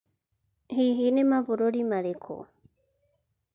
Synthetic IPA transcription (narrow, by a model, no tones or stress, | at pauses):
hiɦinemaβuɾoɾimaɾekʰo̰